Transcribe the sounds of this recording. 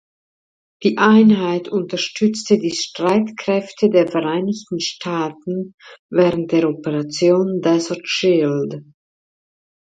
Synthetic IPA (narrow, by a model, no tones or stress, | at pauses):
d̥iːʔaɪnɦaɪtʰʊntɐʃtʰʏt͡stədiːʃtʁ̥aɪtkʁ̥ɛftʰədeːɐfɛʁaɪnɪçtn̩ʃtʰaːtn̩vɛːʁənt̚d̥eːɐɔpəʁat͡sjoːndɛsatʃɪld